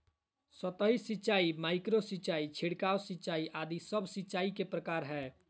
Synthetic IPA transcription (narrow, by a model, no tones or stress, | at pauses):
sət̪əɦisitːt͡ʃaimaɪkɾositːt͡ʃait͡ʃʰiɽkawsitːt͡ʃaiʔad̪isəbʱsitːt͡ʃaikepɾəkaɾɦɛ